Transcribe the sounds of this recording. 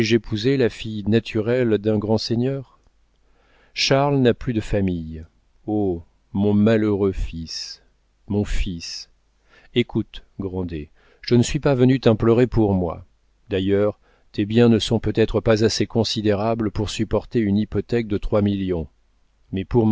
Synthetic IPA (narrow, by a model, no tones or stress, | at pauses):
ʒepʰuzelafijnat̪ʰyʁɛld̪ɛ̃ɡʁɑ̃seɲœːʁ | ʃaʁlnaplyd̪əfamij | o | mɔ̃maləʁøfis | mɔ̃fis | ekut̪ɡʁɑ̃d̪e | ʒ̥ənəsɥipavənyt̪ɛ̃plɔʁepuʁmwa̰ | d̪ajœʁ | t̪ebjɛ̃nəsɔ̃pøt̪ɛt̪χəpazasekɔ̃sid̪eʁabləpuʁsypɔʁt̪eynipɔt̪ɛk̚d̪ət̪χwamiljɔ̃ | mɛpuʁm